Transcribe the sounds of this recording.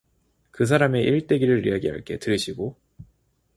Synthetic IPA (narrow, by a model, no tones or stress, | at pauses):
kɯs̬ʰaɾame̞ʔiɭt͈e̞ɡiɾɯɾḭaɡiɦa̰ɭk͈e̞̰tɯɾɯɕʰiɡo